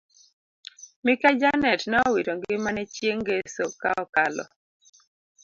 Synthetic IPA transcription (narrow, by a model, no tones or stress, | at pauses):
mɪkad͡ʒanɛtnɛɔwiɾoŋɡɪmanɛt͡ʃjeŋɡesoka̰ɔkalɔ̰